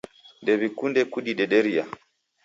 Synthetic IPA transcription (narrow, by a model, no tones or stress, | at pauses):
ndɛβikundɛkudiɗɛɗɛɾia